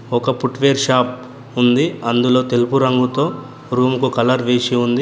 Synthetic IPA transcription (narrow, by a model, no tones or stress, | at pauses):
ɔkɐpuʈʋeːɾʃaːp̚ | und̪iɐnd̪ulo̞ːt̪e̞lupuɾɐŋɡut̪o̞ː | ɾuːmukukɐlɐɾʋeːsiund̪i